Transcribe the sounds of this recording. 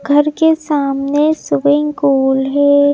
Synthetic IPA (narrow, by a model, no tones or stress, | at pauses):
ɡʱɐɾkesaːmnesʊʋɪ̃ŋkuːlɦɛː